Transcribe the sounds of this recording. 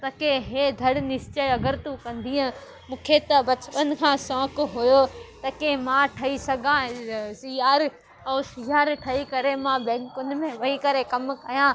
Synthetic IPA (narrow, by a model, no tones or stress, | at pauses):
t̪ɐkeɦeːd̪ʱɐɽnɪst͡ɕeɐɡəɾt̪ũkɐ̃nd̪ʱiːã | mũːkʰet̪ɐbɐt͡ɕɪpən̆kʰãːsɔ̃ːkʊɦʊjot̪ɐkemãʈʰɐisɐɡʱãsijaːɾ | ɐːsijaːɾʈʰɐikɐɾemãbɛ̃ːŋkʊnɪ̆mẽʋɐikɐɾekɐmkɐjã